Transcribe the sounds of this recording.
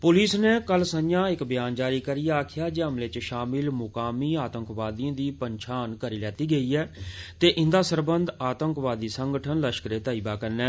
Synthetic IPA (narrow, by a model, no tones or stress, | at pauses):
pʊliːsneːkəlsəjãːɪkbɪjaːnd͡ʒaːɾiːkəɾiːaːkʰɪjaːd͡ʒeːəmleːt͡ʃʃaːmɪlmʊkaːmiːaːt̪ə̃ŋkʋaːd̪iãːd̪iːpəɲʃʰaːnkəɾiːlɛːt̪iːɡəiːɛːt̪eːʔɪ̃nd̪aːsəɾbənd̪aːt̪ə̃ŋkʋaːd̪iːsəŋɡəʈʰənləʃkɾeːt̪aːiːbaːkəɾnɛː